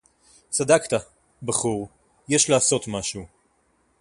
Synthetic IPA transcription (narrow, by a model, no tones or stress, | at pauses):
t͡sad̪akt̪a | baχuʁ | jɛʃlaːso̞t̪maʃu